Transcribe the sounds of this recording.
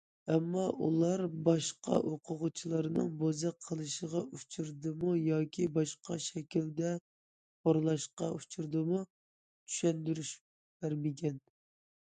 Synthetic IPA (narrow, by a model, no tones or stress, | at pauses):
ɛmːɑʔṵlˠɑɾbɑʃqɑ̰ʔoqʰʊʁʊt͡ʃʰilˠɑɾɨnɨ̰ŋbozɨqʰːəlˠɨʃəʁɑʔut͡ʃʰuɾd̪ɨmujɑːkʲʰibɑʃqɑʃɛkʲild̪ɛ | pʰoɾlˠɑʃqɑut͡ʃʰuɾd̪ɨmu | t͡ʃ̪ʰy̥ʃɛnd̪yɾyʃ | b̥æɾmɪɡʲɛn